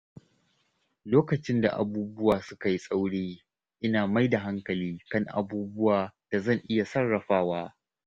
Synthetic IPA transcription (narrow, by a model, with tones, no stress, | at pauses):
loː˦kɐ˨t͡ʃɪ˦nda̰˨ʔa̰˨buː˦bʊ˦waː˨sʊ˦ka˨ji˦sʼa˦wɽeː˦ | ʔɪ˦naː˨ma˦jda˨ɦa˦ŋkɐ˨liː˦kɐ˦ŋʔa̰˨buː˦bʊ˦waː˨d̥a˨zɐ˦˨ŋʔɪ˦ja˨sɐ˦rːɐ˨ɸaː˦waː˦